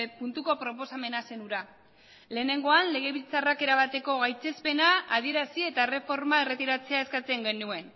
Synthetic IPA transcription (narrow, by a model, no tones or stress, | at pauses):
punt̪uko̞pɾo̞po̞same̞nase̞nuɾa | le̞ːne̞ŋɡo̞anle̞ɣ̞e̞βit͡sarake̞ɾaβ̞at̪e̞ko̞ɣajt͡se̞spe̞naað̞ie̞ɾasie̞t̪aere̞fo̞ɾmae̞re̞t̪iɾat͡se̞ae̞skat͡se̞ŋɡe̞nue̞n